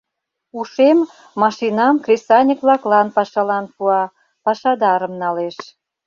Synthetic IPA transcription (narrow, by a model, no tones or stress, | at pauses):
uʃemː | ɑʃinɑmkrʲesɑnʲəkβlɑklɑnpɑʃɑlɑnpuɑ | pɑʃɑd̪ɑɾəmnɑleʃ